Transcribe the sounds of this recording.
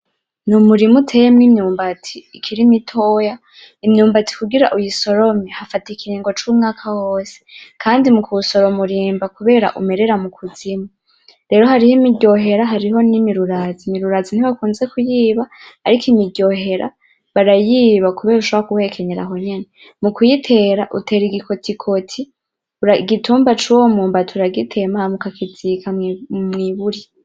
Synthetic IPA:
numuɾimutʰejemnimɲuːmbatʰiikʰiɾimitʰoːja | imɲuːmbati̥kuɡiɾa̰ʔujiso̞ɾo̞mehafatikiɾiːŋɡo̞t͡ʃuːmŋaːkʰawoːse̥kʰaːndimukuso̞ɾomuɾiːmbakuβe̞ːɾa̰ʔume̞ɾe̞ɾamukʰuzima | ɾe̞ːɾo̞haɾihomidɟo̞ɦe̞ɾaɦaɾiɦo̞nimiɾuɾazimiɾuɾaːzin̥iβakuːnze̞kujiːβahaɾikʰimiɟo̞ɦe̞ɾa̰ | βaɾajiːβakuβe̞ːɾuʃoβoakuwe̞ːkʰe̞ɲeɾa̰ɦo̞ɲe̞ne | mukujitʰe̞ːɾaʔutʰe̞ːɾiɡikʰo̞tʰikʰo̞tʰi | uɾaɡituːmbat͡ʃuwomuːmbatʰuɾaɡitʰe̞mamukakʰiz̥ikʰamŋiβuɾi

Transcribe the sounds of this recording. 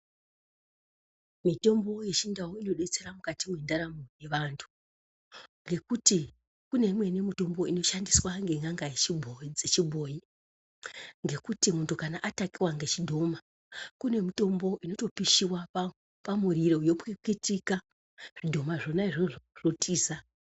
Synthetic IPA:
mito̞mbo̞je̞t͡ʃindawoino̞ɗe̞t͡se̞ɾamukatimwendaɾamoje̞ʋantʰu̥ | ŋɡe̞kuti | kune̞imwe̞nemito̞mbo̞ino̞ʃandiswaŋɡe̞ŋaŋɡajet͡ʃibʱod͡zet͡ʃibʱo̞ji | ŋɡe̞kutimuntukanaʔatakiwaŋɡe̞t͡ʃidʱo̞ma | kune̞mito̞mbo̞ʔino̞to̞piʃiwap | pamuɾiɾo̞jo̞kikitika | ʐ̥idʱo̞maʐo̞naiʐorotiːza

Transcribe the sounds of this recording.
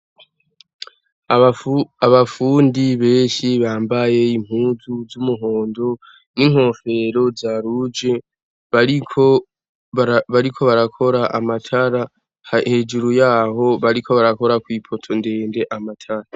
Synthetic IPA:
aβafuːndiβe̞ːnʃiβaːmbaje̞im̥huːzuzumuɦo̞ːndo̞ | niŋ̥ho̞fe̞ɾo̞zaːɾud͡ʒe̞ | βaɾikʰo | βaɾikʰo̞βaɾakʰo̞ɾaʔamatʰaɾa | ahe̞d͡ʒuɾujaːho̞βaɾikʰo̞βaɾako̞ɾakwiːpʰo̞tʰo̞nde̞ːnde̞ʔamatʰaɾa

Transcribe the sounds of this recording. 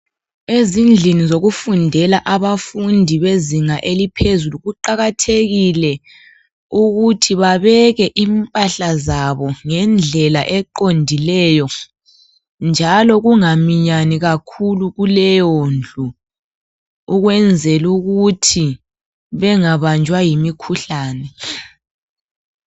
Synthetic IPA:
ezind͡ɮʱinizoɣufundʱɛlaʔaβafundʱiβeziŋaʔelipʰezuluɣuǃaɣatʰeɣilɛ | uɣutʰiβaβɛɣɛʔimpʼaɬazaβɔŋɛnd͡ɮʱɛlaʔɛǃondʱilɛjɔ | nd͡ʒʱalɔɣuŋamiɲaniɣakʰuluɣulɛjond͡ɮʱu | uɣwɛnd͡zʱɛluɣutʰi | βɛŋaβand͡ʒʱwajimikʰuɬaːnɛ

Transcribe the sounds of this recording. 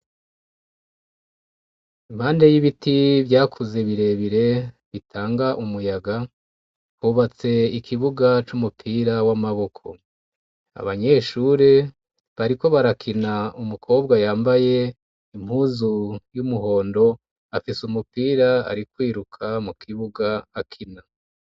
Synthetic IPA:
imhaːndejiβitivjaːkʰuze̞βiɾe̞βiɾe̞ | βitʰaːŋɡaʔumujaɡa | huːβat͡se̞ikʰiβuɡat͡ʃumupʰiːɾawamaβo̞kʰo̞̰ | a̰βaɲe̞ʃuɾe̞ | βaɾiko̞βaɾakʰinaumukʰo̞ːb̚ɡajaːmbaje̞ | imhuːzujumuɦo̞ːndo̞ | afisumupiːɾaa̰ɾikwiːɾukʰamukʰiβuɡaːkʰina

